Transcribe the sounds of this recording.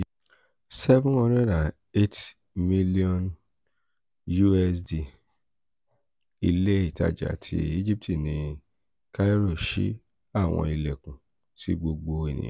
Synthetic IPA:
sɛ˦vũ˦ɔ˧ɾɛ˦˨dã˨ | e˦t | mi˦li˦ɔ̃˧n | ju˦ɛ˦˧sdi˨ | i˧le˦i˦˨ta̰˨d͡ʒa̰˨tʰḭ˧i˦d͡ʒi˦p̚ti˦˨nĩ˧ | ka˦i˦ɾo˦˨ʃḭ˨˦ | a˦˨w̃ɔ̰̃˧i˧lɛ˨kũ˨ | tḭ˦ɡ͡bo˧ɡ͡bo˧e˨nḭ̃˨˦

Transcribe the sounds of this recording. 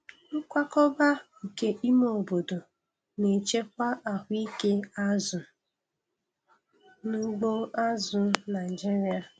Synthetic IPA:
ŋ̩˦kʷa˦kɔ˦ba˦˨ | ke˦ʔi˦mo˨bo˨do˨ | ne˨t͡ʃe˦kʷa˦ʔa˨hʷʊ˦i˦ke˦a˦zʊ˨ | nu˦ɡ͡bo˦a˦zʊ˨na˨ɪ˨d͡ʒi˦ɾi˦a˨

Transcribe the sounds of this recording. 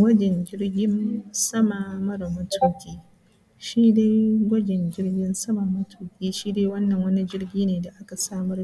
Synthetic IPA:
wɐ˦d͡ʒɛ˨ɲd͡ʒʲɪ˦ɽɡʲɪ˦nsɐ˦ma˨mɐ˦ɽmɐ˦tʰuː˦˨kʲiː˦ | ʃiː˦de˦jɡʷɐ˦d͡ʒɛ˨ɲd͡ʒɪ˦ɽɡʲɪ˦nsɐ˦ma˨mɐ˦tʰuː˨kʲiː˦ʃiː˦de˦wɐ˦nːɐ˨ŋwɐ˦ni˦d͡ʒɪ˦rɡʲiː˦neː˨da˨ʔa˦ka˨saː˦mɐ˦r

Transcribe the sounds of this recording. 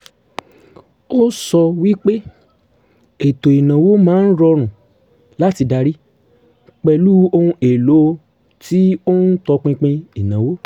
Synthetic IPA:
o˦sɔ˧wi˦k͡pe˦ | e˨to˨i˨nã˨wo˦mãː˦n̩˦ɾɔ˧ɾ̃ũ˨ | la˦ti˧da˧ɾi˦ | k͡pɛ˧lu˦o˧hũ˧e˨lo˨˦ | ti˦o˦n̩˦tɔ˧k͡pĩ˧k͡pĩ˧i˨nã˨wo˦

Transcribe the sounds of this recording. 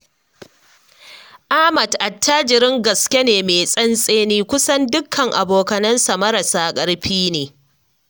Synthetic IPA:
ʔaː˦mɐ˨tʔa˨tːa˦d͡ʒɪ˨ɾɪ˦ŋɡɐ˨skʲe˦neː˨meː˨sʼɐ˦nsʼeː˦niː˦kʷʊ˦sɐ˦ndʊ˦kʰːɐ˨ŋʔa˨boː˨kɐ˨nɐ˦nsa˨mɐ˦ɾɐ˨saː˦kʼɐ˦ɽɸiː˦neː˨

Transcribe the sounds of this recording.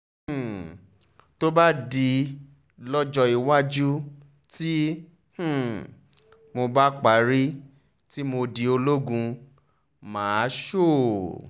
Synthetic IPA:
h̩˦˨ | to˦ba˦di˧ | lɔ˦d͡ʒɔ˧i˨wa˦d͡ʒu˦ | ti˦ | h̩˦˨ | mo˧ba˦k͡pa˨˦ɾi˦ | ti˦mo˧di˧o˧lo˦ɡũ˧ | mãː˨˦ʃo˦˨

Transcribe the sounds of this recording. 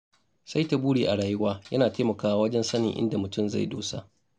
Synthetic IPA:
sa˦jta˨buː˦ɽiː˨ʔa˨ɽaː˨jɪ˦waː˦jɐ˦naː˨teː˦mɐ˨kaː˨wa˦wɐ˦d͡ʒɛ˦nsɐ˦nɪ˨ŋʔɪ̰˦nda˨mʊ˨tʊ˦˨mza̰˦˨jdo̰ː˦sa̰˦ʔ

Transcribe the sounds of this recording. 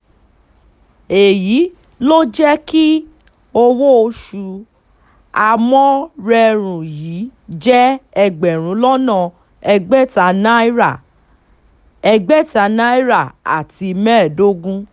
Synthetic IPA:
e˨ji˨˦ | lo˦d͡ʒɛ˦ki˦ | o˧wo˦o˧ʃu˧ | a˧mɔ̃˦ɾɛ˧ɾ̃ũ˨jiː˨˦d͡ʒɛ˦ɛ˧ɡ͡bɛ˨ɾ̃ũ˨˦lɔ˦nã˦˨ | ɛ˧ɡ͡bɛ˦˨ta˧˨nã˦i˦ɾa˨ | ɛ˧ɡ͡bɛ˦˨ta˧nã˦i˦ɾa˦˨a̰˨ti˧mɛ̃˦˨do˦ɡũ˦

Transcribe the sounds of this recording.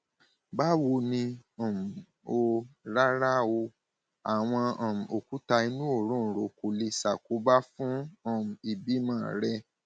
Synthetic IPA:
ba˦wo˧nĩ˧ɔ̃˨m̩˨ | o˧ɾa˦ɾa˦o˧ | a˨w̃ɔ̃˧ɔ̃˨m̩˨o˨ku˦ta˧i˧nũ˦o˦˨ɾũ˦˨ɾo˨ko˨li˧sa˨ko˨˦ba˦fũ˦ɔ̃˨m̩˨i˨bi˦mãː˦˨ɾɛ˦

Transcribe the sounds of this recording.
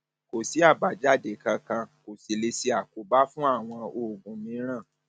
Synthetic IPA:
ko˨si˨˦a˦˨ba˨d͡ʒa˦˨de˨kã˧kã˧ko˨si˨le˧si˧a˨ku˨ba˦fũ˦a˦˨w̃ɔ̃˧o˨ɡũ˨˦mĩ˨˧˦ɾ̃ã˦˨

